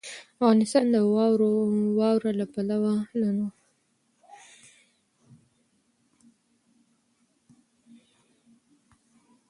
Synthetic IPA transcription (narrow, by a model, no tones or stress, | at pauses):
afɣɑnɪst̪ɑnd̪əw | wɑwɾalapalawalano